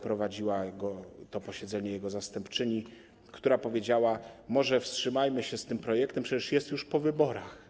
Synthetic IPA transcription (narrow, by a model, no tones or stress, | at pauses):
pɾɔvad͡ʑiwaɡɔt̪ɔpɔɕɛd̪zɛɲɛjɛɡɔzast̪ɛmpt͡ʂɘɲi | kt̪uɾapɔvʲjed͡ʑawamɔʐɛfstʂɘmajmɘɕɛst̪ɘmpɾɔjɛkt̪ɛmpʂɛt͡ɕɛʂjɛst̪juʂpɔvɘbɔɾax